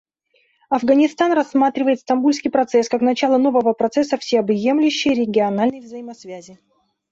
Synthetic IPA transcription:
ɐvɡənʲɪst̪anrɐsːmat̪ɾʲɪvəjɪt̪st̪ɐmbulʲskʲijpɾɐt̪sɛskaknɐt͡ɕalˠəno̞vəvəpɾɐt̪sɛsəfsʲɪɐbje̞mlʲɪɕːɪjəɾʲɪɡʲɪɐnalʲnəjvzɐimɐsvʲæzʲɪ

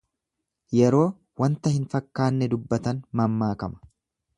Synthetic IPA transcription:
jɛɾo̞ː | wɐnt̪ɐhɪnfɐkːaːnːɛd̪ʊbːɐt̪ɐnmɐmːaːkɐmɐ̥

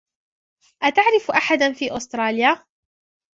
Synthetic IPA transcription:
ʔat̪aʕɾɪfʔaħad̪fiːʔʊst̪ɾˤɑːljaː

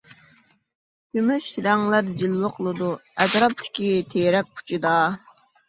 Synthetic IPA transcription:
kʲʰymyʃɾɑŋlˠæɾd͡ʒilˠwəqʰəlˠɨd̪uɛt̪ɾɑp̚t̪ʰɪ̥kʲit̪ʰeɾɛk̚ʲpʰu̥t͡ʃʰid̪ɑ

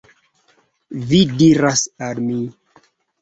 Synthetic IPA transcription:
vidiɾasalmi

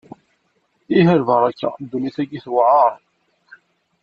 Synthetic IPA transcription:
iɦəɾvəɾˤækːæ̰d̪ːuniθæɡiθwʕɑɾˤ

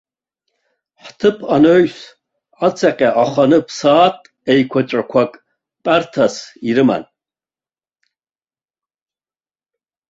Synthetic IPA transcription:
ħtʰɨpʰanoɥs | at͡sʰaqʲʼaʔaχʷanɨpʰsaːtʼ | ejkʷʰat͡ʃʼakʷʰakʼ | pʼartʰasiɾɨma̰n

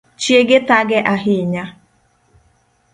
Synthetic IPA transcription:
t͡ʃieɡetaɡɛʔaɦiɲa

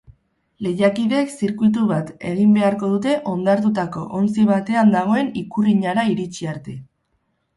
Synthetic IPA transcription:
le̞jakiðeksiɾkuit̪̬uβat̪e̞ɣ̞imbe̞aɾko̞ð̞ut̪e̞ʔo̞nd̪aɾt̪̬ut̪ako̞ʔont͡siβ̞at̪e̞and̪aɣ̞o̞e̞nikuriɲaɾaiɾit͡ʃiaɾt̪e̞

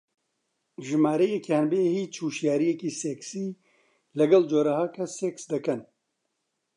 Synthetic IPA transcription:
ʒɨmaːɾejekanbeːhiːt͡ʃʰuːʃjaːɾijekiːseksiː | lɐɡɐld͡ʒoːɾahaːkʰɐseksd̪ɐkɐn

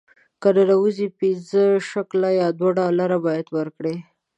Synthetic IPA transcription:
kəd̪əɾawuzipinzəʃaklajɑd̪waɖɑlaɾabɑjad̪wəɾkɽe

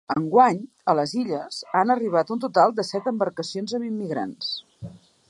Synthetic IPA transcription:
əŋɡwaɲ | ələziʎəz̥anəriβ̞at̪unt̪ut̪alˠd̪əsɛt̪əmbəɾkəsionzəmimːiɣɾa̰ns

